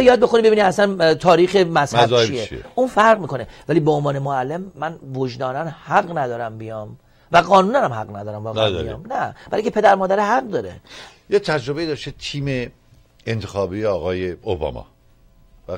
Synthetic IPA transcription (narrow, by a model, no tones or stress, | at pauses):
jɒːd̪̚be̞xonibebiːniæsænt̪ʰɒːɾiːxemæshæzeijeieʔuːnfæɾʁmiːkʰonevæliːbeonvɒːnemoælːe̞mːænvod͡ʒd̪ɒːnænhæɢnæd̪ɒːɾæmbijɒm | væɡɒːnuːnænæmhæɡnæd̪ɒːɾæmbɒːɣdij̰mnæbælŋcʰepʰed̪æɾmɒːd̪æɾehæɢd̪ɒːɾḛjet̪ʰæd͡ʒɾobe̞id̪ɒːʃt̪et̪ʰiːme | ent̪ʰexɒːbiːeɒːɣɒːjeobɒ̰mɒ̰ː | væ